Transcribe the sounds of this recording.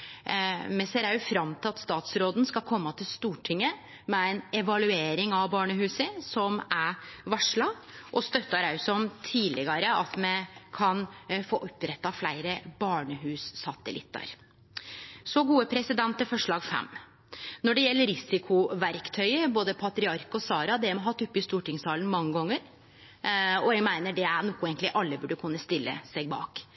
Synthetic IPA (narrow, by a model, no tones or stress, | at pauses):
mɛsɛɾɑʉfɾɑmt̪ʰɪlɑt̪st̪ɑːt̪sɾoːd̪n̩skɑlkʰɔmːɑt̪ʰɪlst̪uːʈʰɪŋːə | mɛæɪnɛʋɑlʉeːɾɪŋɑʋbɑːɳəɦʉːsəsɔmæʋɑʂɭɑ | ʔɔst̪œt̪ːɑɾɑʉsɔmt̪ʰiːlɪɡɑɾəʔɑt̪mɛkʰɑnfo̰ːʔɔpːɾɛt̪ːɑflæɪɾəbɑːɳəɦʉːsːɑt̪əlɪ̰t̪ːɑ̰ɾ | sɔɡuːəpʰɾɛsɪd̪ɛnt̪əfɔʂɭɑːɡfɛ̰mː | nɔɖɛjɛlːəɾɪsɪkʰʊʋæɾkt̪ʰœʏəboːd̪əpʰɑt̪ɾɪɑɾkɔsɑːɾɑd̪ɛmɔɦɑt̪ːʊpːɪst̪uːʈɪŋsɑːlən̩mɑŋːəɡɔŋːəɾ | ɔɛɡmæɪnəɖɛæɾɳuːkːʊeːɡnlɪʔɑlːəbʉɖːəkʰʉnːəst̪ɪlːə̰sæɡbɑ̰ːk